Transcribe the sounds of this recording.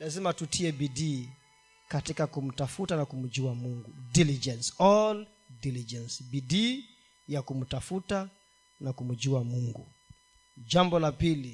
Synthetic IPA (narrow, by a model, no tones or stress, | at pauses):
lazimatutʰiɛbidiː | katikakum̩tafutanakum̩d͡ʒuamuŋɡudilid͡ʒɛnsɔl | dilid͡ʒɛnsbidi | jakum̩tafuta | nakum̩d͡ʒuamuŋɡṵ | d͡ʒambɔlapili